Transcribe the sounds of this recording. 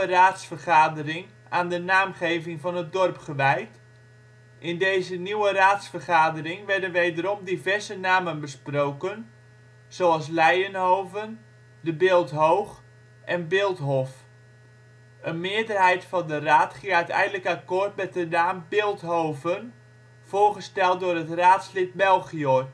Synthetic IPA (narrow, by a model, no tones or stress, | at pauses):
əraːtsfərχaːdərɪŋ | aːndənaːmχejvɪŋvɑnət̚dɔrpχəʋɛjt | ʔɪndeːzəniwəraːtsfərχaːdərɪŋʋɛrdənʋejdəɾɔmdivɛɹzənaːmənbəsproːkən | z̥owalˠs̬lɛjənɦoːvən | dəbɪːlˠtɦowχ | ʔɛnbɪːlˠtɦɔf | ənmɪədərɦɛjtfɑndəraːtχiəœɥtɛ̰jndələkakoːrt̚mɛt̚dənaːmbɪːlˠtɦoːvən | v̥ʊːrχəstɛlˠt̚dʊːrətraːtslɪt̚bɛlˠɣio